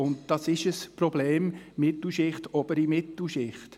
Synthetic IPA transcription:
ʊndd̥ɑsɪʃəspɾɔbleːmmɪt̪l̩ʃɪχtɔbəɾimɪt̪l̩ʃɪχt

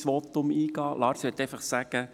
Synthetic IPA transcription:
sʋɔt̪ʊmiːɡ̥ɑːlɑːɾsət̪ɛɪfɑχsæɡ̥ə

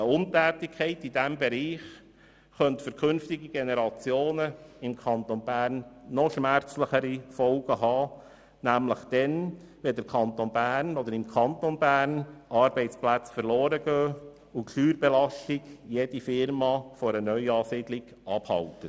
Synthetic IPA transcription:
əʊntæːtɪkʰχɛɪtidæmbɛɾiːχ | χœntfœɾkʰʏnftɪɡiɡ̥enɛɾɑt͡sjoːnəɪmkʰɑntonbæːɾnːɔʃmæɾt͡sləχəɾifɔlɡ̥əɦɑː | næmləχd̥ɛn | ʋɛd̪əɾkʰɑnt̪onbæːɾnɔd̪əɾɪmkʰɑnt̪onbæːɾnʔɑɾbɛɪt͡splæt͡sfəɾloːɾəɡøː | ʊkʰlyːɾbɛlɑʃtɪɡ̥jed̥ifɪɾmɑfɔɾənœʏɑːsiːdlɪɡ̥ɑbhɑ̰ltə

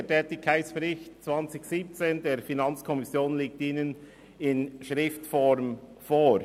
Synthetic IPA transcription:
etʰɛːtɪkʰaɪtsb̥ɛɾɪçtt͡sv̥ɑnt͡sɪçsiːp̚t͡seːndeːɾfinɑnt͡skʰɔmɪsjoːnleːk̚tiːnən | ɪnʃɾɪftfɔɾmfoː

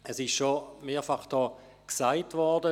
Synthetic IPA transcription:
ɛsɪʃʃomeːɐfaχd̥ɔː | ksaɪtvɔɾdə

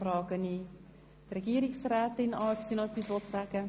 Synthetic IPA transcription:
rɑːɡəni | trɛɡ̥iːəɾiksrɛːtɪnɑːœpsiːnoɛpːisʋɔtsæɡ̥ə

